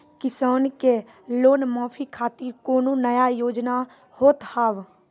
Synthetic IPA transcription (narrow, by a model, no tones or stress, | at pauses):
kɪsaːnke | loːnmɔːfʰikʰaːt̪ikoːnũnəjajoːd͡ʒna | hoːt̪haːʋ